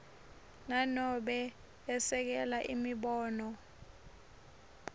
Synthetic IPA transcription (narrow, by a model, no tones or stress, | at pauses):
nanɔɓɛː | sɛk̬ɛlaʔimiɓɔːnɔ